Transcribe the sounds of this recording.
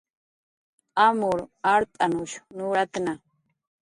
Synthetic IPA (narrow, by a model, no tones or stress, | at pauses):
amʊɾaɾt̪ʼanʊʃnuɾat̪na